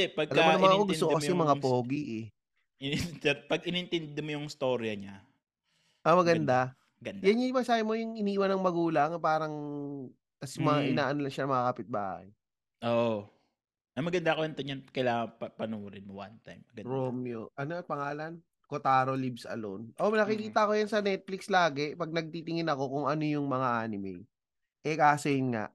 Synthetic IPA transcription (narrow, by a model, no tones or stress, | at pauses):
ɛpɐɡɐlɐɐmɐŋɐkoɡ̪ʊsokːokɐsɛjŋmɐŋapoːɡiʔɛ | ɛpɐɡɪnɛnt̪ɪnd̪ɛmojʊŋst̪oːɾjɐɲa | ʔɐmɐɡɐnd̪a | mɐɡɐnd̪jjanɲʊmɐsaːhɪmojʊŋɪniːwɐnːɐŋmɐɡuːlɐŋpaːɾɐŋ | t̪ɐsjʊmɐŋaʔɪaːʔɐnolɐŋʃanɐmɐŋakɐpɪt̪̚ba̰ːhɐ̰j | ʔoːʔo | ɐmɐɡɐnd̪akoɐnt̪ɐɲɐnkɐjlaːŋɐŋpɐpɐnomʊɾɪnmowa̰nt̪ajmːɐɡɐɾomjoʔɐnoɐpɐŋaːlɐn | kot̪aːɾolibsɐ̰lo̰nʔomɪnɐkɪkiːt̪ɐɐko̞jansɐnɛt̪̚flɪkslaːɡɛpɐɡ̚nɐɡ̚t̪it̪ɪŋɪnɐko̞kʊŋʔɐno̞jʊŋmɐŋaʔaːnɪmɛ̰j | ʔɛkaːsojɪnŋa̰ʔ